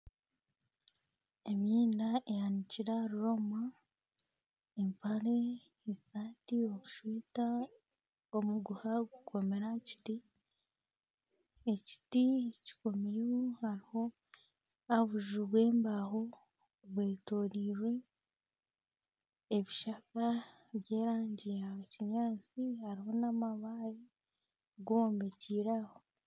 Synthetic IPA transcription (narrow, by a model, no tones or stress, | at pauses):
emjiːnaejaniciɾaɾuɾo̞ma | empaɾe | esaːtio̞ku̥ʃwiːta | omuɡuhaɡukʰo̞me̞ɾaci̥ti | eci̥tici̥ko̞miɾiwohaɾiho̞ | aβuʒuβwe̞ːmbaho̞ | βwe̞ːto̞ːɾiːɾwe̞ | βiʃaka | βje̞ːɾaːɲɟijaciɲaːt͡sihaɾiho̞namaβaɾi | ɡuβoːmbe̞ciːɾaho